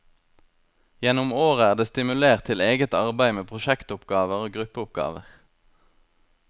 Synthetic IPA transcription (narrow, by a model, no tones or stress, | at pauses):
jɛnʊmoːʁəæːʁd̪eːst̪ɪmʉleːʁt̪ʰɪleːɡət̪ɑʁbæɪmeːpʰʁʊʃɛkt̪ʊpɡɑːʋəʁoːɡʁʉpəʊp̚ɡɑ̰ːʋə̰ʁ